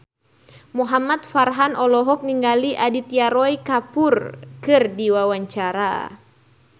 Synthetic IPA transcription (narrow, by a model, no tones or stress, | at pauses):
muɦamat̪̚farɦanɔlɔɦɔk̚niŋɡaliʔadit̪iaɾɔjkapʊrkɨrdiwawaɲt͡ʃaɾa̰